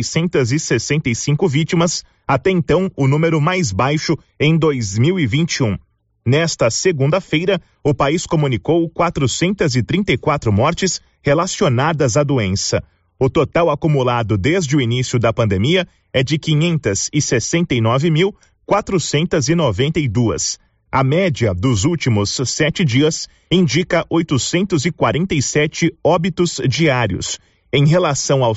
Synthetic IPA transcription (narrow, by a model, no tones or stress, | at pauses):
sẽnt̪ɐzɪsesẽnt̪ɐjsĩŋkʊvit͡ʃimɐs | at̪ɛẽnt̪ɐ̃w̃ʊnũmeɾʊmajzbajʃʊ | ẽj̃d̪ojzmiwivĩnt͡ʃiũ | nɛst̪ɐseɡũnd̪ɐfejɾɐ | ʊpaiskomũnikowkwat̪ɾʊsẽnt̪ɐzɪt̪ɾĩnt̪ejkwat̪ɾʊmɔɾt͡ʃɪs | helasionad̪ɐzad̪uẽsɐ | ʊt̪ot̪awakumulad̪ʊd̪ezd͡ʒɪʊinisiʊd̪ɐpɐ̃nd̪emiɐ | ɛd͡ʒɪkiɲẽnt̪ɐz̥ɪsesẽnt̪ejnɔvɪmiw | kwat̪ɾʊsẽnt̪ɐzɪnovẽnt̪ejd̪uɐ̰s | ɐmɛd͡ʒiɐd̪ʊzuwt͡ʃimʊsːɛt͡ʃɪd͡ʒiɐs | ĩnd͡ʒikɐʔojt̪ʊsẽnt̪ʊzɪkwaɾẽnt̪ɐjsɛt͡ʃɪɔbit̪ʊz̥d͡ʒiaɾiʊ̰s | ẽj̃ɦelasɐ̃w̃aw